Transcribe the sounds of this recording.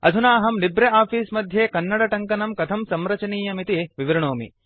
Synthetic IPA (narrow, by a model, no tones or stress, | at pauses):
ɐ̰d̪ʱunaːɦɐmlibɾɐʔaːfiːsmɐd̪ʱjeːkɐnːɐɽɐʈɐŋkɐnɐmkɐt̪ʰɐmsɐmɾɐt͡ʃɐniːjɐmit̪iʋiʋiɾɐɳoːmḭ